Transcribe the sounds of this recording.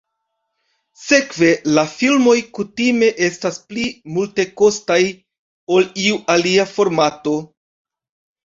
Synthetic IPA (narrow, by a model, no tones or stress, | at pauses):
se̞kve̞lafilmo̞jkutime̞ʔe̞stasplimulte̞ko̞staj | o̞liuʔaliafo̞ɾmato̞